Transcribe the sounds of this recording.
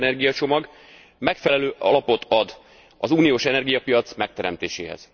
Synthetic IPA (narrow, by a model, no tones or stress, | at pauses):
nɛrɡijɒt͡ʃo̞mɒɡ | mɛkfɛlɛløːʔɒ̰lɒpo̞t̪ʰɒd̪ | ɒzuːnijoːʃɛnɛrɡijɒpijɒt̪smɛk̚t̪ɛɾɛmt̪ḛːʃḛːɦɛ̰z̥